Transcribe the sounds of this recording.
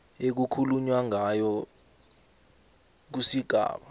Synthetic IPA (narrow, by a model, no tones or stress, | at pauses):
ek̬ukʰuluɲwaŋajɔ | k̬usiɡ̥ʱa̰ːɓa